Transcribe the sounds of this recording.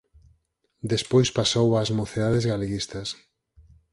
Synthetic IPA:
d̪espojspasowazmoθeðaðezɣaleɣist̪ɐs

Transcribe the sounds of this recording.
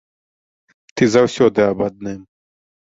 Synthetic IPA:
t̪izɐwsoːd̪eabɐd̪̚neːm

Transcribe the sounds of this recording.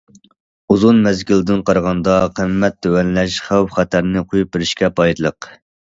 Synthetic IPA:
uzunmɛzɡʲild̪ɪnqʰɑɾʁɑnd̪ɑqʰəmːɛt̪̚ːøwɛnlɛʃχæwpχɛt̪ʰæɾnɪqʰojup̚bɪɾɪʃkʲɛpʰɑjt̪lˠəq

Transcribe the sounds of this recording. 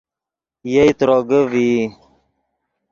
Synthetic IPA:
jejt̪ɾɔɡəvi

